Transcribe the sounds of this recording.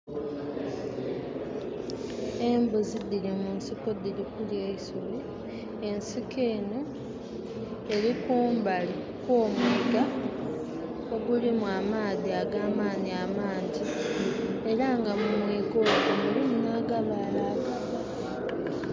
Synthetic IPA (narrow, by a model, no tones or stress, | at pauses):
e̞mbuzidilimunsiko̞dilikuljeisoβi | e̞nsikʰe̞ːno̞ | eɾikuːmbali | koːmiɡa | oɡulimwaːmaːðiaɡaːmaːniamaːɲɟi | e̞ɾaŋɡamumwiːɡo̞ːɡomulimunaɡaβaːlaːɡaβa